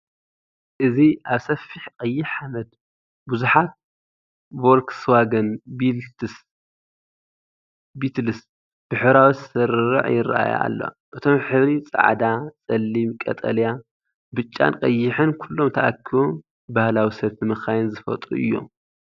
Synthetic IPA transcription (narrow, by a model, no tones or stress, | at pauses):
ʔɨziʔaβsɐfːiħkʼɐjːɪħamɐd̪ | buzuħat̪̚ | bolkʰsɨwaɡɐnbis | bit̪lɨs | b̥ɨħɨɾawit̪sɨɾɾɨ̰ʕjɪrːa̰ʔa̰ja̰ʔa̰lːo̰ | ʔɨt̪ʰo̞mħɨβɾit͡sʼa̰ʕd̪at͡sʼɐlːimkʼɐ̰t̪ʼɐlja | bɨt͡ʃʼːa̰nqʼɐjːɪħɨnkʰulːo̞mt̪ʰɐʔakʰːiβu | bahlawisɐβt̪ʰɨmɨxajnzɨfɐ̰t̪ʼuʔɨ̰jːo̞̰